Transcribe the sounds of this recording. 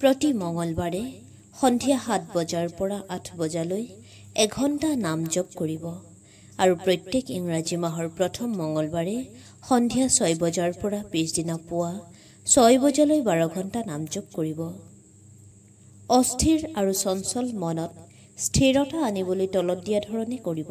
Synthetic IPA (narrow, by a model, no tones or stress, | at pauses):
pɹɔtimɔŋɔlbaɹɛ | xɔndʱijahat̚ʰbɔzaɹpɔɹaʔatʰbɔzaloj | ɛɡʱɔntanamzɔɡkoɹibɔ | aɹupɹɔjtːekiŋɹazimaɦɔɹpɹɔtʰɔmːɔŋɔlbaɹɛ | xɔndʱijasɔjbɔzaɹpɔɹapisdinapʊwa | sɔjbɔzalojbaɹɔɡʱɔntanamzɔɡ̚koɹibɔ | ɔstʰiɹaɹusɔnsɔlmɔnɔt | stʰiɹɔtaːnibolojtɔlɔt̚dijadʱɔɹɔnɛkoɹibɔ